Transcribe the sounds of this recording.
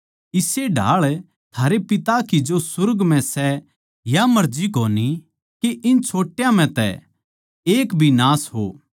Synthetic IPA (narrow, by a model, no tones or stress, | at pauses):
ɪseɖʱa̰ːɭ | t̪ʰaːɾepɪt̪akid͡ʒosʊɾɡmɛ̃sɛ | jamɐɾd͡ʒikoːni | keʔɪnt͡ʃʰoːʈjãm̤ɛ̃t̪ɛ̰ | eːkbʱinaːsɦo̰ː